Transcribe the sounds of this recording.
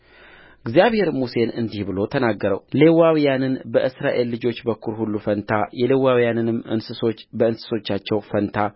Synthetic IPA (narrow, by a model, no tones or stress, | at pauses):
ɨɡzjaβhe̞ɾmuse̞nɨnd̪ihbɨlo̞t̪ʰənaɡːəɾə̰wle̞wawijanɨnbəʔɨsɾaʔe̞lːɨd͡ʒo̞t͡ʃːbəkʰːuɾhulːufənt̪ʰajɛlewawjanɨnɨmɨ̰nsɨso̞t͡ʃːbəɨnsɨ̥so̞t͡ʃːat͡ʃːɛwfənt̪ʰa